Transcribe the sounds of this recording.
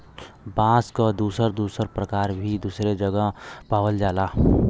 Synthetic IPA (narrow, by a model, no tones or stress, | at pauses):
bãːskad̪uːsəɾd̪uːsəɾpɾəkaːɾbʱid̪uːsɾed͡ʒəɡəpaːwəld͡ʒaːlaː